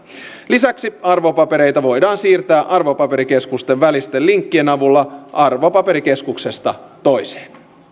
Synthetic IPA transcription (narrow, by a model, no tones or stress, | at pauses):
lisæksiɑrʋopɑpe̞ɾe̞jt̪æʋo̞jdɑːnsiːrt̪æːʔɑrʋopɑpe̞ɾike̞skust̪e̞ʋʋælist̪elliŋkːie̞nɑʋulːɑʔɑrʋopɑpe̞ɾike̞skukse̞st̪ɑ | t̪o̞jse̥ːn